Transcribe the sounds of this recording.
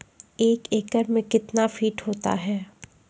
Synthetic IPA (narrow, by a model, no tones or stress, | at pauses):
eːkeːkəɾmẽkɪt̪nafiːʈɦoːt̪a̰ɦɛː